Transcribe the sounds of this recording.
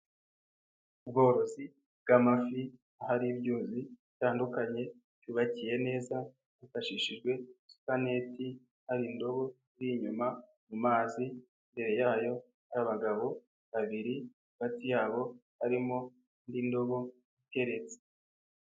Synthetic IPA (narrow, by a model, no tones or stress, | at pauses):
ub̚ɡo̞ːɾo̞zi | b̚ɡamafi | ahaɾibɟuːziitaːndukaɲe̞ | tjuβacije̞ne̞ːza | βufaʃiʃiʒɡwe̞su̥kane̞ti | haɾindo̞βo̞ | jiɲuma | mumaːzi | mbe̞ɾe̞jaːjo̞ | aɾaβaɡaβo̞ | βaβiɾi | aɡatijaːβo̞haɾimo̞ | ndindo̞ɡo̞ | ite̞ɾe̞t͡se̥